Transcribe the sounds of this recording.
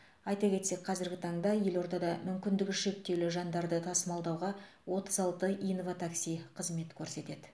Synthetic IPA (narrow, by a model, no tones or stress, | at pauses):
ɑjt̪ɑkʲe̞t̪se̞k̚qʰɑzɪɾɡʲɪt̪ʰɑɴd̪ɑje̞lo̞ɾd̪ɑd̪ɑmʏmkʲɪnd̪ɪkʲɪʃe̞p̚t̪ːe̞wlɪʒɑnd̪ɑɾd̪ət̪ʰɑsəmɑlˠd̪ɑwʁɑ | wo̞t̪əzɑlˠt̪əʔijnvat̪ʰaksijqʰəzme̞t̪kʲʰɵɾse̞t̪e̞d̪ɪ